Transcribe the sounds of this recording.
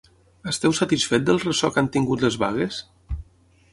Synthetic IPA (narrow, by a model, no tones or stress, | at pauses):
əst̪ɛwsət̪isfet̪̚d̪əlˠrəsɔkant̪iŋɡut̪ləzβa̰ɣəs